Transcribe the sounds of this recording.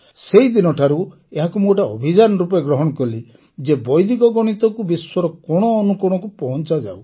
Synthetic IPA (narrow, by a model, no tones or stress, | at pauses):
seid̪inɔʈʰaɾu | eɦakumoʈaɔ̰bʱid͡ʒanɔɾup̬eɡɾɔɦɔɽ̃ɔkɔli | d͡ʒebɔjd̪ikɔɡɔɽ̃it̪ɔkubiswɔɾɔkɔɽ̃ɔːnukɔɽ̃ɔkupɔɦɔnt͡ʃad͡ʒa̰w